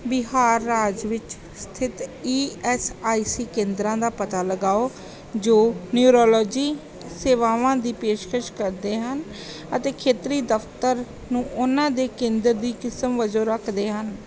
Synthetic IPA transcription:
bɪɦaːɾːaːd͡ʒʋɪt͡ʃ | st̪ʰɪt̪iːɛsaːiːsiːkẽːnd̪ɾãːd̪aːpət̪aːləɡaːoː | d͡ʒoːnjuːɾɔːlɔːd͡ʒiː | seːʋaːʋãːd̪iːpeːʃkʰəʃkəɾd̪eːɦən | ət̪eːkʰeːt̪ɾiːd̪əft̪əɾ | nũːʔʊnãːd̪eːkẽːnd̪əɾd̪iːkɪsəmʋəd͡ʒoːɾəkʰd̪eːɦən

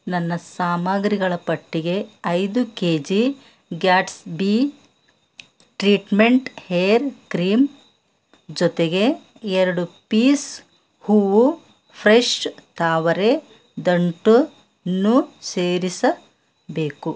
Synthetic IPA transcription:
nɐnːɐsaːmaːɡɾiɡɐɭɐpɐʈːiɡe̞ɐjd̪ukeːd͡ʒi | ɡaːʈsbi | ʈɾiːʈme̞ɳʈhejːɾkɾiːm | d͡ʒɔt̪eɡe̞ | ɛɾɐɽupiːs | huːʋu | pʰɾeʂt̪ʰaːʋɐɾe | d̪ɐɳʈu | nːuseːɾisɐ | be̞ːku

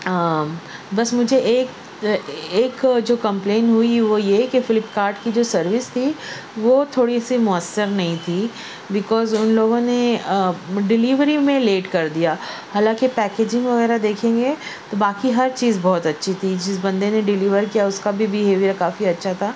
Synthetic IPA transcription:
bɐsmʊd͡ʒʱeʔeːk | eːkd͡ʒoːkɐ̃mpleːnɦʊiʋojekefɪlɪpkaːɾʈkid͡ʒoːsɐɾʋɪst̪ʰi | ʋot̪ʰoːɽisimʊəsːəɾnɐɦĩt̪ʰi | bɪkɔːzʊnloːɡõne | ɖɪliʋɾimẽleːʈkɐɾd̪ijaːhaːlãːkipɛːkeːd͡ʒɪ̃ŋɡʋɐɣɛːɾad̪eːkʰẽːŋɡet̪obaːkiɦɐɾt͡ʃiːzbɔːt̪ɐtːʃʰit̪ʰid͡ʒɪs̬bɐ̃nd̪eneɖɪliːʋəɾkijaʊskabʱibɪɦeːʋjəɾkaːfiɐtːʃʰat̪ʰaː

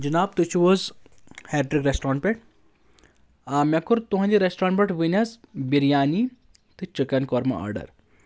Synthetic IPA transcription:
d͡ʒɨnaːb̚t̪ut͡ʃʰuʋoːzhɛːɾʈɾikɾesʈɾãːɳʈpʲeʈ | amʲɐkuɾt̪uɦɐ̃nd̪iɾesʈɾaːɳʈpʲeʈʋɨnʲɐzbiɾijaːni | t̪ɨt͡ʃɨkɐnkɔɾmɐ̰a̰ɾɖɐ̰ɾ

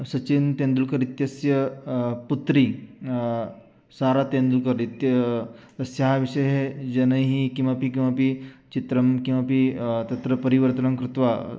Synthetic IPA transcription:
sɐt͡ʃint̪end̪ulkəɾit̪jəsjəput̪ɾiː | saɾat̪ẽnd̪ulkəɾit̪jt̪ɐsjaɦaʋiʂəjɦed͡ʒɐnəjɦikĩw̃ʋapikĩw̃ʋapit͡ɕit̪ɾəmkĩw̃ʋapit̪ɐt̪ɾəpəɾiʋəɾt̪ənəmkɾut̪ʋa

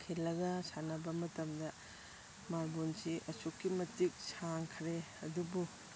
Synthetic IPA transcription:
kʰelːɐɡɐsanɐbɐmɐtɐmdɐ | malbonsiʔɐsukːimɐtik̚saŋkʰɾe | ɐdubu

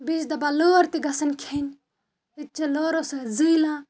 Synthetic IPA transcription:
bisd̪ɐbaloːɾt̪iɡɐsɐnkʰenʲ | it̚t͡ʃɐloːɾosɐzijlãː

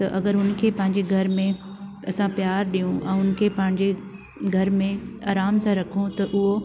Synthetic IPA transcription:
t̪ɐʔɐɡəɾʊnkʰeːpɐ̃ɦɪ̃ɲd͡ʑeɡʱɐɾmẽ | ɐsãpjaːɾɗijũʔɛ̃ːʊnkʰepɐ̃ɦɪ̃ɲd͡ʑe | ɡʱɐɾmẽaːɾaːmsãɾɐkʰũt̪ɐʔʊɦo

